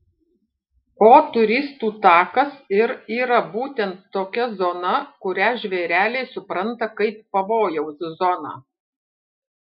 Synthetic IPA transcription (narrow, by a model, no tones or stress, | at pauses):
oːt̪ʊɾʲɪst̪uːt̪ɑːkɐsɪɾiːɾɐbuːt̪ʲɛnt̪ːoːkʲɛzoːnɐkʊɾʲæːʒʲʋʲeːɾʲæːlʲeːsʊpɾɐnt̪ɐkɐɪpːɐʋoːjɛʊsʲzɔnɑ̰ː